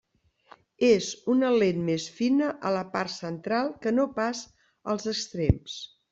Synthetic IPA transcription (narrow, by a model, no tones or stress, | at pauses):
ezunəlenmesfinəʔələparsənt̪ɾalˠkənopas | əlˠzəkst̪ɾems